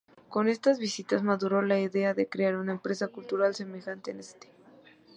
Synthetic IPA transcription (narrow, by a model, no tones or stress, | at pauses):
ko̞ne̞st̪azβisit̪azmaðuɾo̞laiðe̞aðe̞kɾeaɾunaempɾe̞sakult̪uɾalse̞me̞xant̪e̞̰nest̪e̥